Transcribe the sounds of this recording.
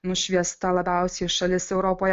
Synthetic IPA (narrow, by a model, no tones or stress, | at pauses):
nʊʃʲʋʲiɛst̪ɐlˠɐbʲɛˑʊsʲeʃɐlʲɪsɛʊɾoːpoːjɛ